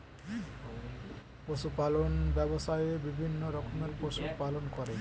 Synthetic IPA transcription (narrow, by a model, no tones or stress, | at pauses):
poʃupalonbɛboʃaeebibʱinːoɾɔkʰomelpoʃupalonkɔɾe